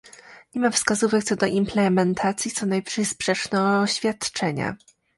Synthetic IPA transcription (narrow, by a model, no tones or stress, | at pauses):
ɲɛmafskazuvɛkt̪sɔd̪ɔʔimplɛmɛnt̪ʰat̪sʲjit̪sɔnajpʂɛjspʂɛt͡ʂnɛɕfʲjat̪t͡ʂɛɲa̰